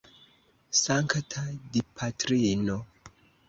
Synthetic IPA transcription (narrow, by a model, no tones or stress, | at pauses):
saŋktʰadipʰatɾino